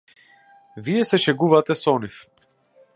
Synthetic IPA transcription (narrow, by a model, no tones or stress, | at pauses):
vijɛsɛʃɛɡuvat̪ɛsɔnif